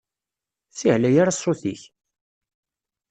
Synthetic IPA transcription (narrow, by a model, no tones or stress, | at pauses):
θiʕlæjaɾasˤoθiç